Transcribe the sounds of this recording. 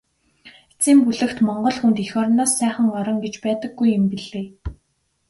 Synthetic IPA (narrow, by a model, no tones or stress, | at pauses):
et͡siːmpuɮɘ̆kt̪mɔɴɢɞ̆ɮxunt̪ixɔːrnaːsːæːχə̆ŋɔɾɞ̆ŋɡet͡ɕpæːt̪ə̆ɡːujɪmpiɮeː